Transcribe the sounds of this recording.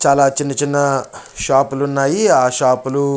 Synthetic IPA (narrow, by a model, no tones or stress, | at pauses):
t͡ʃaːlaːt͡ʃinːɐt͡ʃinːɐ | ʃaːpulunːaːjiaːʃaːpulu